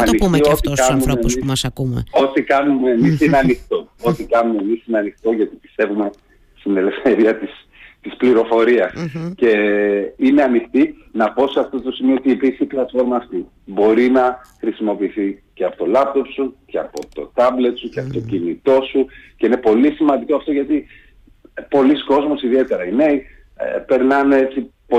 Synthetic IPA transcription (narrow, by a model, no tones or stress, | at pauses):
ɐniiot̪ikɐnumeisɐsɐkumo̞t̪ikɐnumeemisineɐnixt̪oot̪ikɐnume̞misineɐnixt̪o̞ʝɐt̪i̥pi̥st̪e̞vume̞ | st̪ine̞le̞fθe̞ɾiɐt̪is | t̪ispliɾo̞fo̞ɾiɐsce̞ine̞ɐnixt̪inɐpo̞sɐft̪ot̪o̞simioot̪iepiɾçiplɐt̪fo̞ɾmɐːft̪i | bo̞ɾinɐxɾisimo̞piːθiceɐpo̞t̪o̞lɐp̚t̪o̞psuceɐpo̞t̪o̞t̪ɐble̞t̪suceɐpot̪o̞cinit̪o̞suce̞inepo̞lisimɐnd̪iko̞ɐft̪o̞ʝɐt̪i | po̞lisko̞zmo̞siðie̞t̪e̞ɾɐineḭ | pe̞ɾnɐnee̞t͡si | po